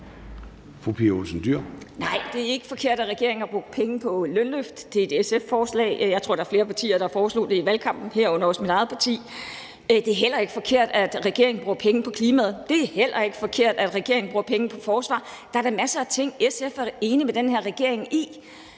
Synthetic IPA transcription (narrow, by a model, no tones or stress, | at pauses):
fʁupʰiolsn̩d̥yɐ̰nɑ̈ɪ̰d̥e̝æɐe̝ɡ̥əfɒ̽kʰe̝ɐ̰ɾ̥æʁɛɡ̥e̝ɐ̰e̝ŋnɐb̥ʁoɡ̥̚pʰeŋəpʰɒ̽lønløfd̥d̥e̝ed̥esefːɒːslɛ̰ɪjɑ̈ɪt͡sʰo̝ɐ̰dɑ̈ɐfle̝ːɐpʰɑ̈t͡sʰḭːɐɾ̥ɑ̈fɒːslo̝̰ːd̥e̝iʋælkʰɑ̈m̰b̥n̩heɐ̰ɔ̽n̰ɐɒsmid̥ɑ̈ð̞̩ˠpʰɑ̈t͡sʰḭː | d̥e̝æɐɦel̰ɐe̝ɡ̥ə̥fɒ̽kʰe̝ɐ̰d̥æd̥ʁɛɡ̥e̝ɐeŋn̩bʁoɡpʰeŋəpʰɒ̽kʰliːmæð̞̩ˠd̥e̝æɐhel̰ɐe̝ɡ̥ə̥fɒ̽kʰe̝ɐ̰d̥æd̥ʁɛɡ̥e̝ɐ̰e̝ŋn̩b̥ʁo̥pʰeŋəpʰɒ̽fɒːsʋɑ̰̈ːd̥ɑ̈ɐɾɑmæsɐæt͡sʰe̝ŋ̰esefæɐe̝ːnimed̥enheɐʁɛɡ̥e̝ɐ̰eŋi